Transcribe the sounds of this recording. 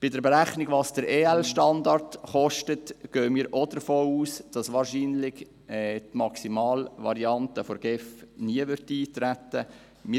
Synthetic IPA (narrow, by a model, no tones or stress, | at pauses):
b̥ɪdəɾbeɾæχnɪɡʋɑːsd̥əɾeːɛlʃtɑndɑɾtχɔʃtətɡ̥øːəmiːɾʔodəɾfoːuːsd̥ɑsʋɑːɾʃiːnlɪɡ | ɛːtmɑksimɑːlʋɑ̰ɾiɑntəfoɾɡ̥ɛfniəʋʏɾtiːt̪ɾætːə | mɪ